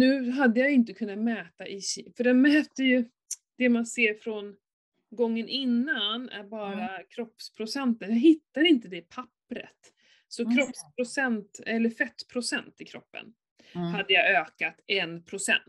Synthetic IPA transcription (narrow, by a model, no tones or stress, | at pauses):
nʉ̟ːɦad̪ːəjajɪnt̪əkʰɵnːat̪mɛːt̪aʔɪfœɖɛnmɛːt̪ːəjɵ | d̪̥ɛmanseːɾfɾɔn | ɡɔŋːənʔɪnːanæ̰ɾbɑːɾakʰɾɔpːspʰɾʊsɛnt̪ənjaɦɪt̪ːaɾɪnt̪əd̪ɛpʰapːɾə̰t̪ | sɔkʰɾɔpspʰɾʊsɛnt̪ɛlːəɾfɛt̪ːpʰɾʊsɛnt̪ɪkʰɾɔpːə̰n | had̪ːəjaøːkat̪ɛnpʰɾʊsɛ̰nt̪